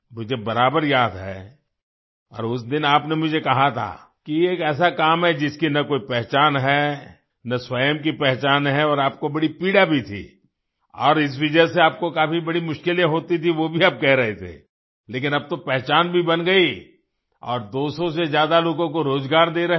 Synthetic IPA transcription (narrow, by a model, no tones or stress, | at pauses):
mʊd͡ʒʱebɐɾaːbəɾjaːd̪ɦɛ̰ː | ɔ̰ːɾʊs̬d̪ɪnaːpnemʊd͡ʒʱekɐɦat̪ʰa̰ː | kieːkɛːs̬akaːmɦɛd͡ʒɪskinɐkoːipɛɦt͡ʃaːnɦɛː | nɐswɐjəmk̬ipɛɦt͡ʃaːnɦɛɔːɾaːp̚kobɐɽipiːɽabʱit̪ʰḭː | ɔ̰ːɾɪs̬ʋɪd͡ʒəseaːp̚kokaːfibɐɽimʊʃkɪljãɦoːt̪it̪ʰiʋobʱiaːb̚kɛɦɾɐɦet̪ʰḛː | leːk̬ɪnɐb̚t̪opɛɦt͡ʃaːnbʱibɐnɡɐi | ɔ̰ːɾd̪oːsõsezjaːd̪aloːkõkoɾoːzɡaːɾd̪eːɾɐɦ